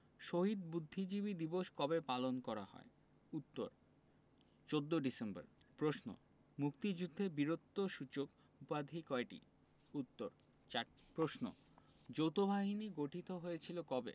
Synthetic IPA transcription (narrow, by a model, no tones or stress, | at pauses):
ʃoɦid̪bud̪ʱːid͡ʑiβid̪iboʃkɔbepalonkɔɾa̰hɔ̰e | ut̪ːo̰ɾ | t͡ɕod̪ːoɖisemba̰ɾpɾosno̰ | muk̚t̪id͡ʑud̪ʱːebiɾot̪ːoʃut͡ɕok | upad̪ʱikɔeʈḭ | ut̪ːoɾ | t͡ɕa | pɾosno̰ | d͡ʑowt̪obʱaɦiniɡoʈʰit̪oɦojet͡ɕʰilokɔbḛ